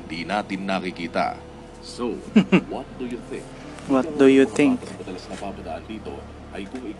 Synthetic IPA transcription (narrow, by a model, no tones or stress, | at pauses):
d̪inaːt̪ɪnːɐkɪkiːt̪a̰ | sowɔt̪̚d̪ujuθɪ̰̃ŋk | wɔt̪̚d̪ujuθɪ̃ŋkɐɐmɐd̪ɐlɐsnɐpaːbɐd̪aʔɐnd̪iːt̪o̞̰ | ʔɐjkʊŋɪ